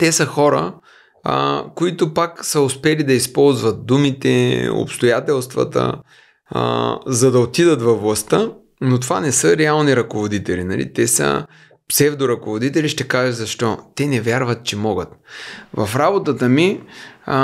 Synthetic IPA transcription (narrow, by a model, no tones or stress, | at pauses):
t̪ɛsəxɔɾə̰ | koit̪ʊpaksəʊspɛlid̪ɐispɔlˠzvɐt̪̚d̪umit̪ɛ̰o̰pst̪ojat̪ɛlˠst̪vɐ̰t̪ə̰ | zɐd̪ɐot̪id̪ət̪vɐvlˠɐst̪ə | not̪ovanɛsəɾɛalˠniɾɐkovod̪it̪ɛlinɐlʔḭt̪ɛsə̰ | psɛvd̪oɾɐkovod̪it̪ɛliʃt̪ɛkaʒɐzɐʃt̪ɔt̪ɛnɛvʲjaɾvət̪̚t͡ʃɛmɔɡət̪vɐfɾabot̪ət̪əmi